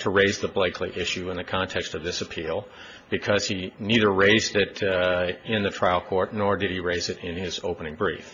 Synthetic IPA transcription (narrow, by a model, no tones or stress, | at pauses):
tʰəɹeɪzðəbleɪkʰliʔɪʃʉɨ̃nðɨkʰɑ̃ntʰɛkstʌvðɪsɨpʰilˠ | b̥ɨkʰʌz̥iniðə˞ɹeɪzdɪɾ | ɪ̃nðɨtʰɹ̥aɪl̩ˠkʰɔɹtⁿnɔɹdɨɾ̚iɹeɪzɨɾɪ̃nɪzoʊpənɪ̃ŋbɹḭf